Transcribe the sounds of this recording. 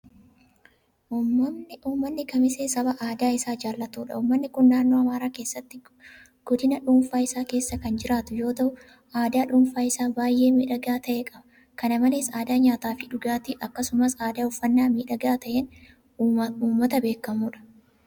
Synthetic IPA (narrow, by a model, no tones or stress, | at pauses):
ʔuːmːɐmnɪuːmːɐnːɪkɐmɪseːsɐbɐʔaːd̪aːɪsaːd͡ʒaːlːɐt̪uːᶑɐ̰uːmːɐnːɪkʊnːaːnːo̞ːɐmaːɾaːke̞ːsːɐt̪ːɪ | ɡ̥ɔd̪ɪnɐᶑuːnfaːɪsaːke̞ːsːɐkɐnd͡ʒɪɾaːt̪ʊjo̞ːt̪ɐʔʊ | aːd̪aːᶑʊːnfaːɪsaːbaːjʔːe̞ːmiːᶑɐɡaːt̪ɐʔeːkʼɐbɐ | kɐnɐmɐleːsaːd̪aːɲaːt̪aːfɪᶑʊɡaːt̪ɪʔɐkːɐsʊmɐsaːd̪aːʊfːɐnːaːmiːᶑɐɡaːt̪ɐʔen | uːmːɐt̪ɐbeːkːɐmuːᶑɐ̥